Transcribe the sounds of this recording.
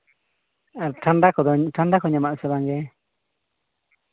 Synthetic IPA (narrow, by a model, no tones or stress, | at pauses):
aɾʈʰaɳɖakɔd̪ɔʈʰãɳɖakɔɲamaʔsɛbaŋɡɛ